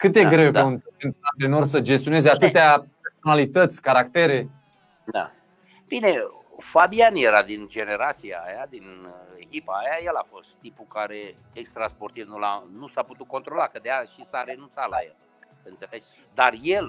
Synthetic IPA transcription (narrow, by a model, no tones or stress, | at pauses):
kɨt̪d̪eɡɾe̞wpeunt̪pent̪at̪eeno̞rs̬əd͡ʒes̬t̪io̞ne̞zeat̪ɨt̪eaperso̞nalit̪ət̪sʲkaɾakt̪e̞ɾe̞ | d̪a̰ | b̥ine̞ | fabianjeɾad̪ind͡ʒe̞ne̞ɾat̪sia̰ːjad̪inekʲipaːjajelafo̞st̪ːipukaɾe̞ | ekst̪ɾaspo̞rt̪ivnula̰nusaput̪ut̪̚ko̞nt̪ɾo̞lakəd̪ejaʃisaɾe̞nunt̪sala̰jel | ɨntseled͡ʒ | d̪arjel